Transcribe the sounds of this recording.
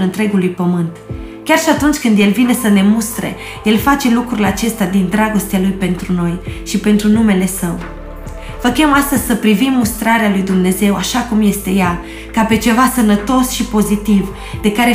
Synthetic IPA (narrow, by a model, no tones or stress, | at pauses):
lɨnt̪ɾe̞ɡulujpəmɨnt̪ | kʲarʃiat̪unt͡ʃʲkɨnd̪je̞lvine̞səne̞must̪ɾḛ | je̞lfat͡ʃe̞lukɾuɾileat͡ʃe̞st̪ead̪ind̪ɾaɡo̞st̪ealujpe̞nt̪ɾuno̞jʃipe̞nt̪ɾunume̞le̞səw | vəkʲemast̪əzʲsəpɾivimːust̪ɾaɾealujd̪umne̞ze̞waʃakumje̞st̪e̞ja | kape̞t͡ʃe̞vasənət̪o̞sʃipo̞zit̪iv | d̪e̞kaɾe